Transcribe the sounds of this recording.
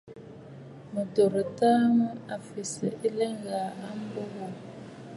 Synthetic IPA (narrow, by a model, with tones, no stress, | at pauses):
mu˨do˨ɾi˨ta˦mu˦a˨fi˨sḭ˨ʔi˦lɛ˦ŋɡa˨a˦m˦bo˦ɣo˨